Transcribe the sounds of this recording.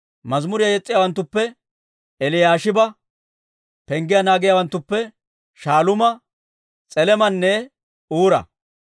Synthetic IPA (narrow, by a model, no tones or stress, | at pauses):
mɐzmʊɾɪjɐjɛt͡sʼːɪjaːwɐnt̪ːʊpːɛ | ɛlɪjaːʃɪbɐ | pɛŋɡɪjɐnaːɡɪjaːwɐnt̪ːʊpːɛ | ʃaːlʊmɐ | t͡sʼɛlɛmɐnːɛ | uːɾɐ̰